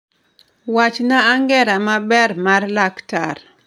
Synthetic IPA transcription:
wat͡ʃnaːŋɡɛɾamabɛrmarlaktar

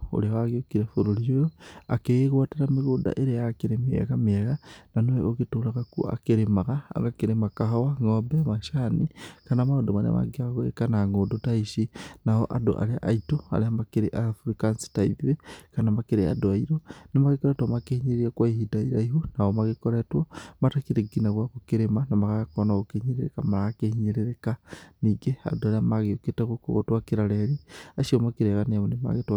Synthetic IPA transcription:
o̰leawaɣiokiɾafoɾolijojoa̰keɣeɣwateɾamiɣoda̰ʔeɾejakeɾemeḛɣameɣananoweʔoɣetolaɣakṵa̰keɾemaɣaa̰ŋakeɾemakaɦawaŋobemaʃanikanamaodomanḛma̰ɡeaɣwekanaŋodotaiʃinaho̰ʔado̰ʔa̰leaʔaitoa̰leamakeɾeʔafɾikansi̥taiðiwekanamakeɾea̰doaiɾonimaɣekoɾetwamakehiɲiɾiakwaihidaiɾaiɦonaomaɣekoɾetwomatakiɾeɡinaɣwaɣukiɾemanamaɣakonaɣokeɲiɾeɾḛkamaɾaakehiɲiɾeɾekaniɡea̰doaɾeamaɣeoketeɣoko̰ɣo̰twakiɾaleɾiaʃiomakiɾeɣaneaβonima̰ɣetwa

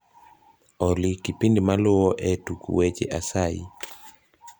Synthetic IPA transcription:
ɔlikipindmalʊɔʔɛtukṵwet͡ʃḛʔasaḭ

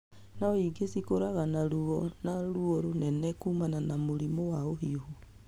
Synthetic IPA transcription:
naoiɡesikoɾaɣanaɾuɔnaɾuɔɾonɛnɛkuːmananamoɾimɔwaoɦiohu

